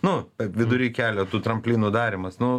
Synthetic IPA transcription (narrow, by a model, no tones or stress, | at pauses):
nʊpʲɛʋʲɪd̪ʊɾʲiːkʲæːlʲoːt̪uːt̪ɾɐmʲpʲlʲiːnuːd̪ɑːɾʲɪmɐsnʊ